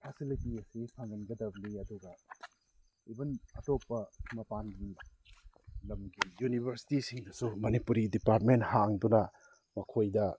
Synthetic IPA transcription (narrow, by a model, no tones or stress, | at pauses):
pʰesilitiɐsisʰaŋɡɐnɡɐdɐbliɐduɡɐ | ibɐnɐtopːɐmɐpanɡi | lɐmɡijunibʱɐɾsi̥tisiŋdɐsumɐnipuɾidipaɾt̚menthaŋdunɐ | mɐkʰojdɐ